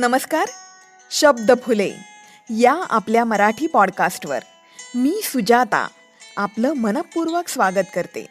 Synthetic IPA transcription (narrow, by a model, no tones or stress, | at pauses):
nəməskaɾ | ɕəb̚d̪əpʰulḛ | jaa̰pljaməɾaʈʰiːpɔɽkasʈʋə̰ɾ | miːsud͡ʑat̪a̰ | apləːmənəpːuɾʋəksʋaɡət̪kəɾt̪ḛ